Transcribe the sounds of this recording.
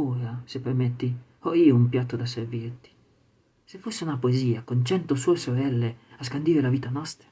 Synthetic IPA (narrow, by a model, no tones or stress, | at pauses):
uːɾasepːermet̪ːi | ɔiːoumpjat̪ːod̪aservirt̪i̥ | sefːosːeunapoeziːakont͡ʃɛnt̪osuːesoɾɛlːeaskand̪iːɾelaviːt̪anɔst̪ɾa